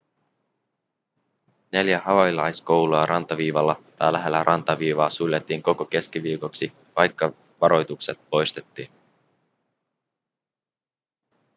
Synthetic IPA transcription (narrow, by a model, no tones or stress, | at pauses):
ne̞ljæhɑʋɑjlɑjsko̞wluɑɾɑnt̪ɑʋiːʋɑlːɑt̪ɑ̰jlæɦe̞lːæɾʔɑ̰nt̪ɑʋiːʋɑːsulʲjet̪ːiːŋko̞ko̞k̟e̞skiʋiːko̞ksi | ʋɑjkːɑ | ʋɑɾo̞jt̪ukse̞t̪̚po̞jst̪e̞t̪ːiːn